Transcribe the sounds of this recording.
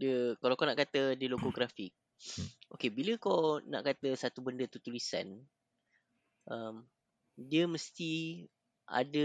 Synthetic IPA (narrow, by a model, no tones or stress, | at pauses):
diəkalawkɔnaʔkat̪ədiəloɡoɡɾafɪk̚ | ʔokebiləkona̰ʔkat̪əsat̪ubəndət̪ut̪ulisa̰n | ʔəm | diəməst̪i | ʔa̰də